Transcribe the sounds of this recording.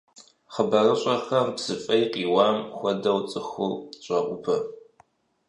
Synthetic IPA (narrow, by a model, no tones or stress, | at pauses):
χəbɐrɐɕʼɐxɐrbz̥ɨfʼɐjqiːwɑːmxʷɐdɐwt͡sʼɨxʊlɕʷʼɐʔʷʼʊpʰɐ